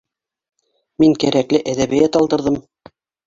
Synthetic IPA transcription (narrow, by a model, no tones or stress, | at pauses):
miŋkæɾæklɘʔæðæβɘ̆jæt̪ɑlˠd̪ɤ̆ɾðɤm